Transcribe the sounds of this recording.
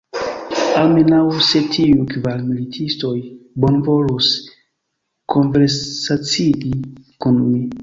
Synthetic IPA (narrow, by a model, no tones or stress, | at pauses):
alme̞nawse̞tʰiukvalmilitʰisto̞jbo̞nvo̞lus | kʰo̞nveɾsat͡siɡikunmi